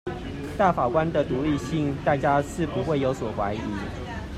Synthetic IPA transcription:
t̪a˥˩fa˨˩kwa˦nd̪ə˨t̪u˨˦li˥˧ɕi˥˨ŋt̪a˥˨t͡ɕja˦ʂɻ̩˥˨pu˨˦xwe˥˩ɪjo˨˧˥ʊswɔ˨˩xwa˨˥ɪi˨˦

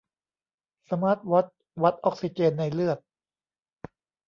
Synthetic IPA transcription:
sa˧maː˦˥t̪̚wa˦˥t̪̚ | wa˦˥t̪̚ʔɔː˦˥k̚si˧˩t͡ɕeː˧nːa˧jlɯ˥˩ət̪̚

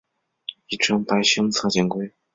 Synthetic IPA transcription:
i˥˩ʈ͡ʂʰɤ˥ŋpa˧˥ɪɕɤ˥ŋt͡sʰɤ˥˩t͡ɕjɛ˧˥˩ŋkwe˥ɪ

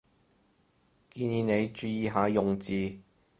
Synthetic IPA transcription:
kiː˧niː˨˧ne˨˧jt͡ʃyː˧jiː˨˧ɦaː˨˧jʊ˨ŋt͡siː˧

